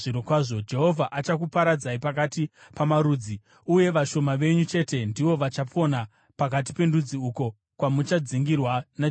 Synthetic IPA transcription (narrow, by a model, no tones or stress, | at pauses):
ʐiɾokwaːʐo̞d͡ʒe̞ɦo̞vʱaʔat͡ʃakupaɾad͡zaipakatipamaɾuːd͡zi | uje̞ʋaʃo̞maʋe̞ɲut͡ʃe̞te̞ndiʋo̞ʋat͡ʃap͡fo̞na | pakat̬i̥pe̞ndud͡ziuːko̞ | kwamut͡ʃad͡ziŋɡirwana